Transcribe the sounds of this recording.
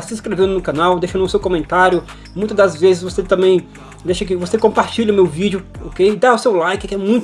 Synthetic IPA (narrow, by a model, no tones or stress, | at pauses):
sĩĩskɾevẽnd̪ʊnʊkɐnawd̪ejʃɐnũsewkõmẽnt̪aɾjʊ | mũj̃t̪ɐd̪ɐzvezɪzvoset̪ɐ̃mẽj̃ | d̪ejʃɐk̬ɪvosekõpaɾt͡ʃiʎʲɐʊmewvid͡ʒʊokejd̪aʊsewlajkɪkɪɛmũj̃t̪